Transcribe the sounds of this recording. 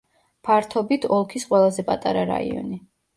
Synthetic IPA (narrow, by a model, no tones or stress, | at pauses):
pʰaɾt̪ʰɔbit̪ʰɔlˠkʰisqʼwɛlˠazɛpʼat̪ʼaɾaɾa̰ḭɔ̰ni